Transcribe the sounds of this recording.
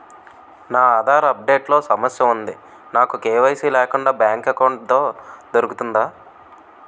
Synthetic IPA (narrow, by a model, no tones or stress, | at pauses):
naːd̪ʱaːɾɐɐp̚ɖe̞ːʈlo̞ːsɐmɐsjɐund̪i | naːkukeːʋɐjsiːlɛːkuɳɖaːbjaːŋkɐkɐwɳʈ̚t̪oːd̪oɾukut̪und̪aː